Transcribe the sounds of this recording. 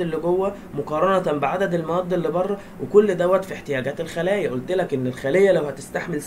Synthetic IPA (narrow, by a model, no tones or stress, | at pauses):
elːoɡowːæ | moqɑːɾˤɑnɑt̪mbeʕad̪æd̪elmɑɑd̪ˤːelːibɑrˤːɑ | wʔekolːd̪æwːæt̪fieħt̪ejæːɡæːt̪elxælæːjæʔolt̪elækʔenːelxælejːælæwhæt̪est̪aħmels